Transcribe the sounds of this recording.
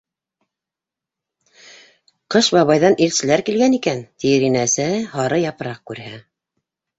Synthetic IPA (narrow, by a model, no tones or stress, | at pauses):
qɤʃbɑβɑjðɑnʔilsɘ̆læɾkilɡænikænt̪iɾinæsɘhɑɾɤjɑpɤɾɑq̚kʉɾhæ